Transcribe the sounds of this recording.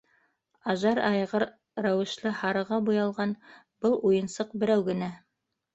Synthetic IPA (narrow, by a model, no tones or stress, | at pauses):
ɑʒɑɾɑjʁɤɾ | ɾæwɘ̆ʃlˠɘhɑɾɤ̆ʁɑbujɑlˠʁɑn | b̥ɤlˠujɤ̆nsɤq̚bɘ̆ɾæwɡɘ̆næ